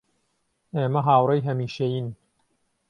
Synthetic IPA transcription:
eːmɐɦaːwrejɦɐmiːʃejin

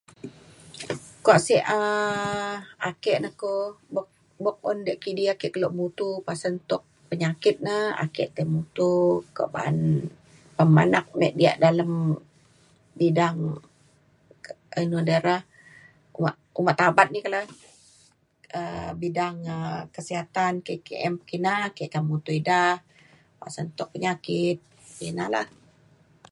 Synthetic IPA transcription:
koaʔsiə | akɛʔnahkobok̚ | bɔk̚ɔndiaʔkidiakɛʔkəloʔmut̪upasənt̪ʊʔ̚pəɲakɪt̪̚naa̰kɛʔt̪emut̪uka̰ʔba̰ʔə̰n | pəma̰nak̚mɛ̰ʔdia̰ʔdaləm | bidaŋ | ənudəɾah | uma̰ʔumaʔt̪abat̪̚nikəlah | əbidaŋəkəsiɦat̪ankekḛʔɛmpə̥kinakɛʔk̪amut̪uidah | wa̰ʔsənt̪ʊʔ̚pəɲakɪt̪̚ | inala̰h

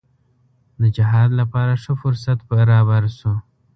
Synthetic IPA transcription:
d̪əd͡ʒɪɦɑd̪lapɑɾaʂəfʊɾsat̪bəɾɑbaɾso

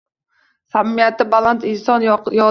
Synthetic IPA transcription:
samːijat̪ʰːɪbalˠant̪ɪnsɒnjɒ

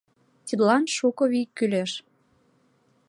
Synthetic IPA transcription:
t̪ʲid̪lɑnʃukoβikːyleʃ

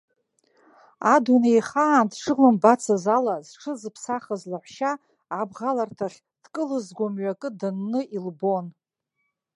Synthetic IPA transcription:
adunejχaːntʂɨlɨmbat͡sʰazalazʈ͡ʂʰɨzpʰsaχazlaħʷʃaː | bʁalartʰaχʲ | d̥kʼɨlɨzɡʷamɥakʼɨdanːɨilbo̞n

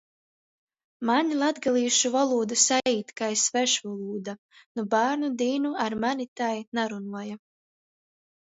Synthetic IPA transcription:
maɲlˠad̪ɡalˠiːʃuvalˠuːd̪usaiːt̪kaesvɛʃvulˠuːd̪a | nubaːɾnud̪iːnuaɾmanit̪ajnaɾunuɔja

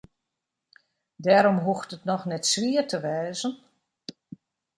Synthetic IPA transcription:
dɛːɾɔmɦuxtətnɔxnɛtsʋiətʰəʋɛːzən

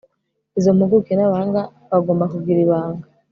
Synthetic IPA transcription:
izo̞muɡukenaβaːŋɡa | βaɡo̞ːmbakuɡɡiɾiβaːŋɡa

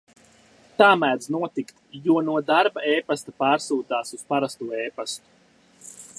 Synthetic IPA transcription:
t̪aːmæːd̪znuɔt̪ikt̪juɔnuɔd̪aɾbaeːpast̪apaːɾsuːt̪aːsuspaɾast̪uɔɛːpast̪u̥

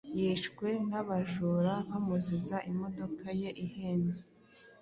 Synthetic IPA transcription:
jiːʃkwe̞naβaʒuːɾaβamuzizaʔimo̞do̞kaje̞ʔiheːnzi

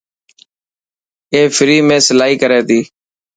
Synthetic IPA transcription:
eːfʰɪɾiːmẽːsəlaːɦiːkəɾeːt̪iː

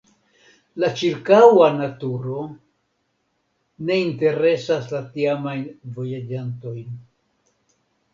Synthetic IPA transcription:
lat͡ʃiɾkawanatuɾo̞ | ne̞inte̞ɾe̞saslatiamajnvo̞jad͡ʒanto̞jn

